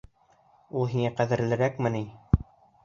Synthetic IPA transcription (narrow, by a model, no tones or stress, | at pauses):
ulˠɦiŋæqæðɘ̆ɾlɘ̆ɾækmɘ̆ni